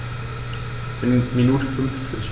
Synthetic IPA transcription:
ʔɪnminuːtʰəfʏnft͡sɪç

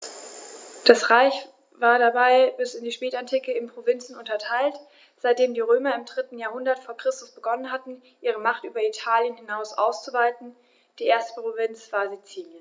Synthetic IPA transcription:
d̥asʁaɪç | vaːɐdabaɪbɪsɪndiːʃpɛːtantʰiːkəɪnpʁ̥ovɪnt͡sn̩ʊntɐtʰaɪlt | z̥aɪt̚d̥eːmdiːʁøːmɐɪmdʁɪtn̩jaːɐɦʊndɐtfoːɐkʁ̥ɪstʊsb̥əɡɔnənɦatn̩ | ʔiːʁ̞əmaχtʔyːbɐitʰaːljənhɪnaʊsʔa̰ʊst͡suvaɪtn̩ | d̥iːʔeːɐstə̥pʁ̥ovɪnt͡sv̥aːɐzet͡siːljən

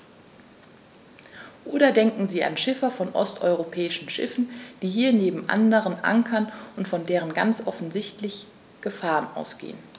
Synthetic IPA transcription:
ʔoːɾɐdɛŋkŋ̩ziːa̰nʃɪfɐfɔnʔɔ̰stʔɔʏʁopʰɛːɪʃn̩ʃɪ̰fn̩d̥iːɦiːɐneːbm̩ʔa̰ndəʁənʔa̰ŋkʰɐnʊntfɔndeːʁ̞ənɡa̰nt͡sʔɔfn̩zɪçtlɪç | ɡ̥əfaːʁənʔa̰ʊsɡ̥ḛːən

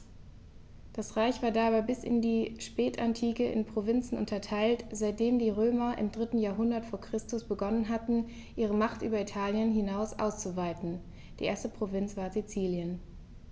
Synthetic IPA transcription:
d̥asʁaɪçv̥aːɐdaːbaɪbɪsɪ̰ndiːʃpɛːtantʰiːkəʔɪ̰npʁ̥ovɪnt͡sn̩ʔʊ̰ntɐtʰaɪltz̥aɪt̚d̥eːmdiːʁ̞øːmɐʔɪ̰mdʁɪtn̩jaːɐɦʊndɐtfoːɐkʁ̥ɪstʊsb̥əɡɔnənɦatn̩ | ʔiːʁ̞əmaχtʔyːbɐitʰaːljənɦɪnaʊsʔa̰ʊst͡suvaɪtn̩ | d̥ḭːʔeːɐstəpʁ̥ovɪnt͡sv̥aːɐzit͡siːljən

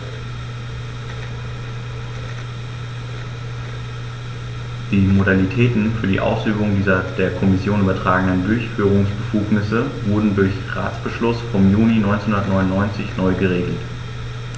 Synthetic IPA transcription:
d̥iːmodalitʰɛːtn̩fyːɐdḭːʔa̰ʊsyːbʊŋdiːzɐd̥eːɐkʰɔmɪsjoːnʔyːbɐtʁ̥aːɡŋ̩dəndʊɐçfyːʁ̞ʊŋsb̥əfuːknɪsəvʊɐdn̩dʊɐçʁa̰ːt͡sb̥əʃlʊsfɔmjuːninɔʏnt͡senhʊ̃nɐətnɔʏnʊnːɔʏnt͡sɪçnɔʏɡəʁeːɡl̩t

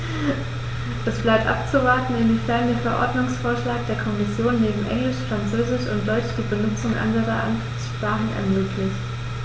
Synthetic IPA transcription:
ʔɛsb̥laɪp̚tʔa̰p̚t͡suvaɐtn̩ɪnviːfɛɐndeːɐfɛɐʔɔ̰ɐdnʊŋsfoːɐʃlaːk̚d̥eːɐkʰɔmɪsjoːnːeːbm̩ʔɛ̰ŋlɪʃfʁ̥ant͡søːzɪʃʊntd̥ɔʏʃd̥iːbənʊt͡sʊŋʔa̰ndəʁɐʔa̰n | ʃpʁ̥aːχn̩ʔɛ̰ɐmøːklɪçt

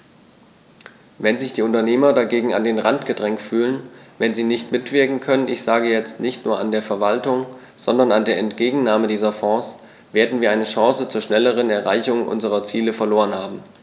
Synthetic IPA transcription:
vɛnzɪçd̥iːʊntɐneːmɐdaɡeːɡŋ̩a̰ndeːnʁantɡ̥ədʁɛŋktfyːlənvɛnziːnɪçtmɪtv̥ɪɐkŋ̩kʰœnənʔɪçz̥aːɡəjɛt͡stnɪçtnuːɐandeːɐfɛɐvaltʊŋ | z̥ɔndɐnandeːɐɛntɡ̥eːɡŋ̩naːmədiːzɐfɔːs | v̥eːɐdn̩viːɐaɪnəʃɑ̃ːsət͡suːɐʃnɛləʁ̞ənɛɐʁa̰ɪçʊŋʔʊ̰nzəʁɐt͡siːləfɛɐloːʁənhaːbm̩

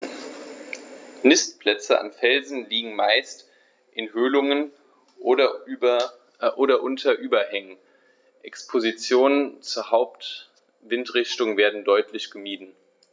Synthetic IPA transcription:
nɪstpl̥ɛt͡səʔa̰nfɛlzn̩liːɡŋ̩maɪst | ʔɪnɦøːlʊŋən | ɐ | ʔoːɾɐʔʊntʰɐʔyːbɐhɛŋən | ʔɛkspʰozit͡sjoːnənt͡suːɐhaʊpt | v̥ɪntʁɪçtʊŋveːɐdn̩dɔʏtʰlɪçɡ̥əmiːdn̩

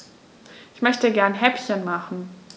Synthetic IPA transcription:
ʔɪçmœçtəɡɛɐnɦɛpçənmaχn̩

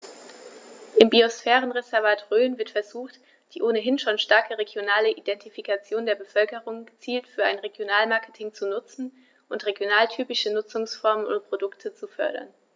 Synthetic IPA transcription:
ʔɪmbiosfɛːʁ̞ənʁezɛɐvaːtʁøːnvɪɐtfɛɐzuːχt | d̥iːʔoːnəɦɪnʃoːnʃtaɐkəʁeɡjonaːləʔidɛntifikat͡sjoːndeːɐbəfœlkəʁʊŋɡət͡siːltfyːɐaɪnʁeɡjonaːlmaɐkə̥tʰɪŋt͡sunʊt͡sn̩ | ʔʊntʁeɡjonaːltʰyːpɪʃənʊt͡sʊŋsfɔɐmənʊ̰nt̚pʁ̥odʊktʰət͡sufœ̰ɐɾɐ̰n

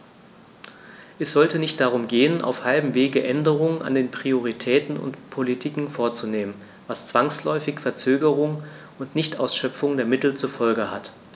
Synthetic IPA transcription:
ʔɛsz̥ɔltənɪçt̚d̥aʁ̞ʊmɡeːənʔa̰ʊfhalbm̩veːɡəʔɛndəʁ̞ʊŋəna̰ndeːnpʁ̥ioʁ̞itʰɛːtn̩ʊ̰ntpʰolitʰɪkŋ̩foːɐt͡suneːmən | vast͡sv̥aŋslɔʏfɪçfɛɐt͡søːɡəʁ̞ʊŋ | ʊntnɪçtʔaʊsʃœfʊŋdeːɐmɪtl̩t͡suɐfɔlɡəhat

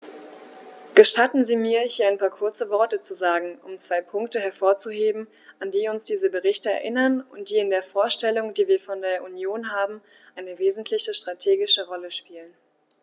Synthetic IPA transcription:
ɡ̥əʃtatn̩ziːmiːɐhiːɐaɪnpʰaːɐkʰʊɐt͡səvɔɐtət͡suzaːɡŋ̩ʊmt͡sv̥aɪpʰʊŋktəɦɛɐfoːɐt͡suɦeːbm̩ | ʔandiːʊnsd̥iːzəbəʁɪçtəɛ̰ɐʔɪnɐnʊntd̥iːɪndeːɐfoːɐʃtɛlʊŋdiːviːɐfɔndeːɐʔunjoːnɦaːbm̩ | ʔaɪnəveːzn̩tʰlɪçəʃtʁ̥atʰeːɡɪʃəʁɔləʃpiːlən

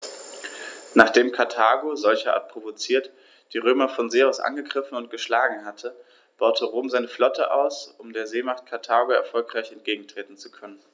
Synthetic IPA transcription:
naːχd̥eːmkʰaɐtʰaːɡozɔlçɐʔa̰ːɐt̚pʁ̥ovot͡siːɐt | d̥iːʁøːmɐfɔnzeːaʊsʔa̰nɡəɡʁɪfn̩ʊnt̚ɡ̥əʃlaːɡŋ̩ɦatʰə | b̥aʊtʰəʁoːmzaɪnəflɔtʰə̰ʔa̰ʊsʔʊmdeːɐzeːmaχt̚kʰaɐtʰaːɡoɛ̰ɐfɔlkʁ̥aɪçɛnt̚ɡ̥eːɡŋ̩tʁ̥eːtn̩t͡su̥kʰœnən

